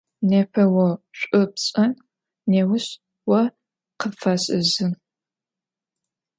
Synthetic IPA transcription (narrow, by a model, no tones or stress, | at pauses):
neːpʰɐwɔɕʷʼʊpɕʼɐn | neːwʊɕ | wɔ | qəfɐɕʼɨ̰zɨn